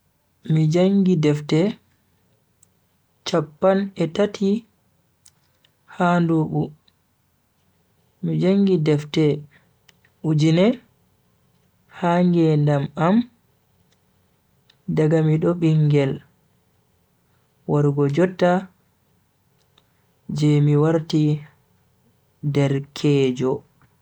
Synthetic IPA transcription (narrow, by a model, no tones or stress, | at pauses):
mid͡ʒaŋɡidɛftɛ | t͡ʃapːanɛtatʰi | handuɓu | mid͡ʒaŋɡidɛftɛ | ʔud͡ʒinɛ | haŋɡɛndamam | daɡamiɗɔɓiŋɡɛl | waɾɡɔd͡ʒɔtːa | d͡ʒɛmiwaɾti | dɛɾkʰɛːd͡ʒɔ